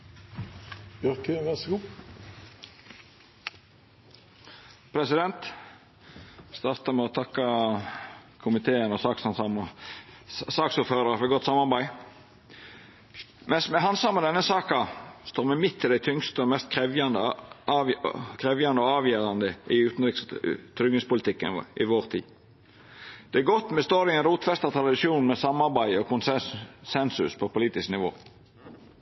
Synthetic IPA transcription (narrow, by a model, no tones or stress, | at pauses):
œʁkəʋɛsɡuː | pʰɾɛsɪd̪ɛnt̪ | st̪ɑːʁt̪əmɛɔt̪ʰɑkːɑ | kʰʊmɪt̪ʰeːənɔsɑːksɑnsɑmə | sɑːksuːɾføːɾɑʁfɔɡɔt̪ːsɑmɑʁbæɪ | mɛnsmɛɦɑnsɑmːəd̪ɛnːəsɑːkɑst̪oːɾmɛmɪt̪ʰːɪd̪æɪt̪ʰʏŋst̪əɔmɛst̪kʰɛʋɑnd̪ə | kʰʁɛʋjɑnd̪əɔɑːʋjeːʁɑnd̪əʔɪʉːt̪n̩ɾɪkst̪ʰɾʏɡɪspʊlɪt̪ʰɪkːə̰nʔɪʋoːʁt̪ʰḭː | d̪̥ɛæɡɔt̪ːmɛst̪oːɾɪɛnɾuːt̪fɛst̪ɑt̪ʰɾɑd̪ɪʃuːnmɛsɑmɑʁbæɪɔkʰʊnssɛnsʉspʰɔpʊliːt̪ɪsknɪʋo̰ː